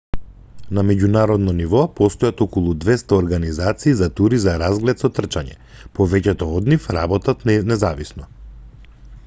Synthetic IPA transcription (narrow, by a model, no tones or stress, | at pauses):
namɛɟunaɾɔd̪nɔnivɔpɔst̪ɔjat̪ɔkɔlˠud̪vɛst̪aɔɾɡanizat̪siːzat̪uɾizaɾazɡlɛt̪sɔt̪r̩t͡ʃaɲɛ̰ | pɔvɛcɛt̪ɔːd̪nifɾabɔt̪at̪nɛzavisnɔ